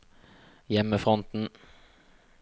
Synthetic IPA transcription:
jɛməfʁɔnt̪n̩

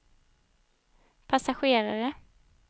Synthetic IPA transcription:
pʰasaɧeːɾaɾə

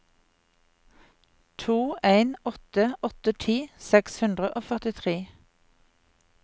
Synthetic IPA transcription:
t̪ʰuːʔeɪnɔt̪əɔt̪ət̪ʰiːsɛkshʉnd̪ʁəʔoːfœʁt̪ɪt̪ʰʁeː

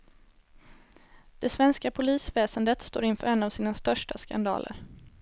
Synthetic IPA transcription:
d̪̥ɛsvɛnskapʰʊliːsvɛːsənd̪ət̪st̪o̰ːɾɪnfœːɾɛnːavsiːnast̪œʂʈaska̰nd̪ɑ̰ːlə̰ɾ

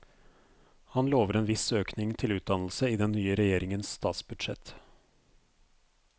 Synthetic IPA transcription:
hɑnloːʋəɾeːnʋɪsøːknɪŋt̪ʰɪlʉːt̪̚d̪ɑnl̩səiːd̪ɛnnːyːəɾɛjeːɾɪŋənsst̪ɑ̰ːt̪sbʉd̪ʃɛ̰t̪

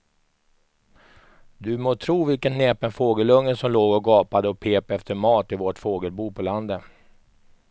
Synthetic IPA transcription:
d̪ɵmoːt̪ʰɾuːvɪlkənneːpənfoːɡəlɵŋːəsɔmloːɡɔɡɑːpad̪əɔpʰeːpɛft̪əɾmɑːt̪ɪvoʈfoːɡəlbuːpʰɔland̪ə

